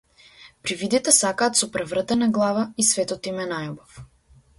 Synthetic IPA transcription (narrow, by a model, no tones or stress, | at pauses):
pɾivid̪it̪ɛsakaːt̪sɔpɾɛvrət̪ɛnaɡlˠavaisvɛt̪ɔt̪imɛnajɔbɔf